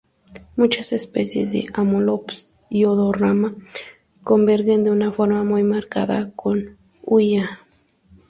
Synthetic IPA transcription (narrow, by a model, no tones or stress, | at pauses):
mut͡ʃasespesjḛzd̪ḛʔamolops | ioðorama | kombeɾɣend̪eunafoɾmamujmaɾka̰ða̰kʰon | uja